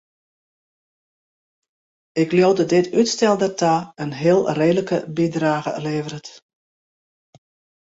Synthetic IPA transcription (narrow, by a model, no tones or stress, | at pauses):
ɪkljoːdədɪtytstɛlˠdərtaənɦɪəlˠreːdələkəbidraːɣə̰ə̰leːvəɾət